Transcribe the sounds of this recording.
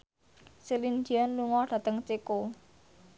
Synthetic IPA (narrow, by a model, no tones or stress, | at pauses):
silind͡ʒianːuŋɔɖ̥a̤t̪əŋt͡ʃeko